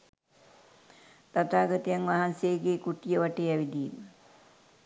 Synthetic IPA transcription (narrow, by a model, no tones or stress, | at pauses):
t̪at̪aːɡat̪ijaŋʋaɦansejɡekuʈijəʋaʈeːæʋid̪iːmə